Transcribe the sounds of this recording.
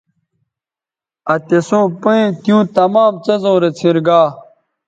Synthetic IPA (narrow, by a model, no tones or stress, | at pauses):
ɐt̪esõːpoẽt̪jũːt̪ɐmaːmt͡sɐzõːɾet͡sʰĩɾɡaː